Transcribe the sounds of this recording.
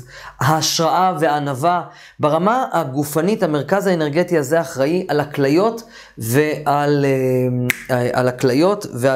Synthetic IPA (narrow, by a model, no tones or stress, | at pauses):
haːʃʁaʔaveaːnava | beʁamaaɡufanithame̞ʁ̞kazhaene̞ʁɡetiaze̞aχʁaiʔalaklajo̞t | veʔal | a̰laklajo̞tve